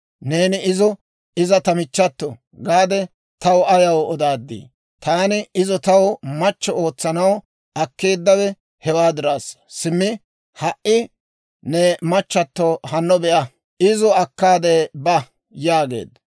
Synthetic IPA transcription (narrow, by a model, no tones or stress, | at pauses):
ne̞ːnɪɪzɔ | ɪzɐt̪ɐmɪt͡ʃːɐt̪ːɔ | ɡaːd̪ɛ | t̪ɐwʊɐjɐwɔd̪aːd̪ːḭː | t̪aːnɪɪzɔt̪ɐwʊmɐt͡ʃːɔo̞ːt͡sːɐnɐw | ɐkːeːd̪ːɐwɛ | hɛwaːd̪ɪɾaːssɪmːɪ | hɐʔɪ | nɛmɐt͡ʃːɐt̪ːɔhɐnːɔbɛʔɐ | ɪzɔɐkːaːd̪ebɐ | jaːɡe̞̰ːd̪ɐ